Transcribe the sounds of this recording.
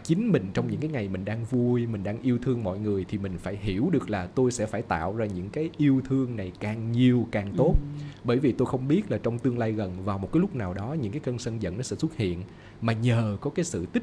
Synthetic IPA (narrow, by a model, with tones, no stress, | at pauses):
t͡ɕï˨˦ŋ̟mï˨˩ŋ̟t͡ɕɔ˧wŋ͡mɲɨ̰˧˥ŋkaː˨˦jŋa˨˩jmï˨˩ŋ̟ɗaː˧ŋvu˧əjmï˨˩ŋ̟ɗaː˧ŋʔi˧əwt̪ʰɨ˧əŋmɔ̰˧˨jŋɨ˨˩əjt̪ʰi˨˩mï˨˩ŋ̟faː˧˩jɦi˧˩əwɗɨ˨˩ək̚laː˨˩t̪o˧jsɛ̰˧˥faː˧˩jt̪a̰ː˧˨wzaː˧ɲɨ̰˧˥ŋkaː˨˦jʔi˧əwt̪ʰɨ˧əŋna˨˩jkaː˨˩ŋɲi˨˩əwkaː˨˩ŋt̪o˦˥t̚ɓəː˧˩jvi˨˩t̪o˧jxə˧wŋ͡mɓi˦˥ət̚laː˨˩t͡ɕɔ˧wŋ͡mt̪ɨ˧əŋlaː˧jɣə˨˩nvaː˨˩wmo˨˩kaː˨˦lʊ˦˥k͡p̚naː˨˩wɗɔ˨˦ɲɨ̰˧˥ŋkaː˨˦kə˧nsə˧nzə̰˧˨nɔ˨˦sɛ̰˧˥swu˦˥t̚hḭ˧˨ən | maː˨˩ɲəː˨˩kɔ˨˦kaː˨˦jsɨ̰˧˨t̪ï˦˥